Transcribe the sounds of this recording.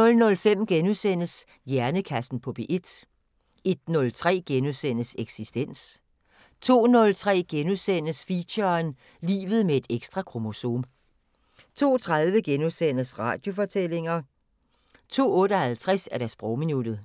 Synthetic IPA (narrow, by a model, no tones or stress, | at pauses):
nɔ̽lnɔ̽lfem̰ɡ̥enusen̰əs | jæɐnəkʰæsn̩pʰɒ̽b̥e̝ʔe̝d̥ | e̝d̥nɔ̽lt͡sʰʁɛ̰ːɡ̥enusen̰əseɡ̥sisd̥en̰s | t͡sʰo̝̰ːnɔ̽lt͡sʰʁɛ̰ːɡ̥enusen̰əsfiɕɐn | lḭːʋð̩ˠmee̝d̥eɡ̥sd̥ʁɑ̈kʰʁo̝mo̝so̝̰ːm | t͡sʰo̝̰ːt͡sʰʁað̞ˠʋəɡ̥enusen̰əsʁɑ̈ːd̥jo̝fɒ̽t͡sʰel̰e̝ŋɐ | t͡sʰo̝̰ːɔ̽ːɾəhælt͡sʰʁɛsæɐɾ̥æɐsb̥ʁɒʊminud̥ð̩ˠ